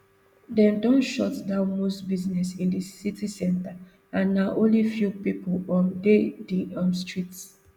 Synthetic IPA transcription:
dɛ̃ndɔ̃nʃɔtdamostbiznɛsĩndisitisɛ̃nta | ãnːaʔõnlifjupipolɔ̃ndediɔ̃mstɹits

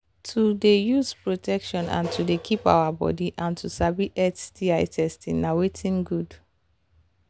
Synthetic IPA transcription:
tʰudejuzpɹotʰɛkʃɔ̃nã̰ntʰudekʰipa̰ʊabɔ̰diʔãntʰusabiʔɛtdiaɪtʰɛstḭ̃ŋnawetʰĩnɡud

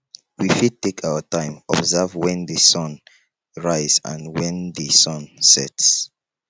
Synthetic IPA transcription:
wifid̚tekʰaʊətãɪ̃mɔbzɛvwɛ̃nðəsɔ̃n | ɹaɪzã̰nwɛ̃nðəsɔ̃nsɛ̰ts

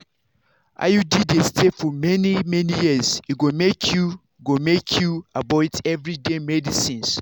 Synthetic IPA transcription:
ʔa̰judidestʰefɔmɛnimɛnijiziɡomekʰju | ɡomekʰjuabɔtɛvɹidemɛdisĩns

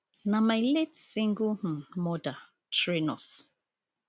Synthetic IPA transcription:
namajletsiŋɡum̩mɔda | tɹinɔs

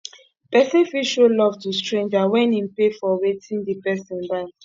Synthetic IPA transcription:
pɛsĩfiʃolɔvtustɹẽnd͡ʒawɛ̃nĩnpefɔwetʰĩŋdipɛsɛ̃nbaɪ

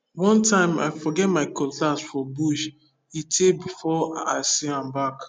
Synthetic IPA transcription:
wɔ̃ntʰãɪ̃ma̰ɪfɔɡɛt̚maɪkʰɔ̃ltasfɔbuʃ | itʰebifɔa̰ɪsiãmbak

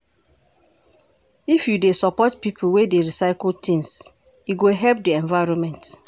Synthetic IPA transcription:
ifjudesɔpɔtpipʰuwedeɹisaɪktĩŋs | jiɡoɦɛlp̚diɛ̃nvaɪɹɔ̃nmɛ̃nt

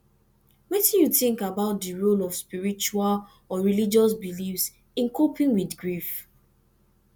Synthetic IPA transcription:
wɛtjuθĩŋkabaʊt̚diɹolɔv̥spiɹit͡ʃual | ɔɹilid͡ʒɔsbilifs | ĩnkopʰĩŋwidɡɹif

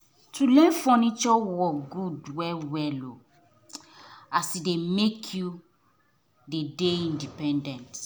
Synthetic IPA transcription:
tʰulɛ̃nfɔnit͡ʃɔwɔɡudwɛwɛlo | asidemekʰju | dedeĩndipɛ̃ndɛ̃nt

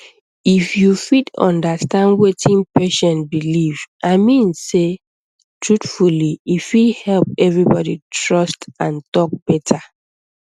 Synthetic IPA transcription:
ifjufitɔ̰̃ndastãndwetʰĩnpeʃɔ̃nbilivʔaɪmĩnse | tʰɹutfuliifithɛlp̚ɛvɹibɔditʰɹɔstãntɔk̚b̥ɛtʰa

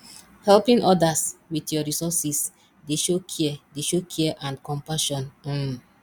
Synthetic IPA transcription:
hɛlpĩnʔɔdaswitjɔɹisɔsis | deʃokʰiɛdeʃokʰiɛʔãnkɔ̃mpaʃɔ̃n̩

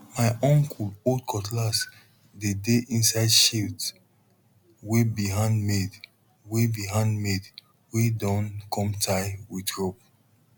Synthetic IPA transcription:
maɪʔɔ̃ŋkʰulodkʰɔtlas | dedeʔĩnsaɪdʃilt | webiɦãndmed | webiɦãndmed | wedɔ̃nkʰɔ̃mtʰaɪwidɹɔp̚

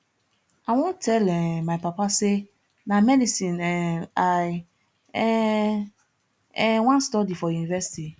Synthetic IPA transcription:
awɔ̃ntʰɛlɛmaɪpapase | nãmɛdisĩnɛaɪ | ɛ | ɛwãnstɔdifɔjunivɛsi̥tʰi

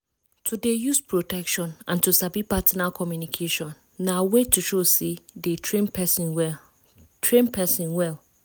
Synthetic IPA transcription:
tʰudejuspʰɹotɛkʃɔ̃nã̰ntusabipatinakʰɔmjunikʰeʃɔ̃nːawetuʃosedetʰɹẽnpɛswɛ | tʰɹẽnpʰɛsĩnwɛl

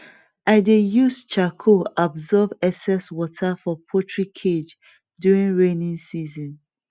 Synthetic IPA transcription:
aɪdejust͡ʃakʰoabzɔvɛsɛswɔtʰafɔpʰɔtʰɹikʰed͡ʒ | djuɹĩŋɹẽnĩŋsizɔ̃n

